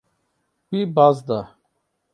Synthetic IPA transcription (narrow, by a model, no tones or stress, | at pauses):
pibazd̪a